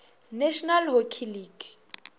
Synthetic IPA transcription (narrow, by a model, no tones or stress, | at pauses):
nɛʃɔnalɦokʰiliːɡ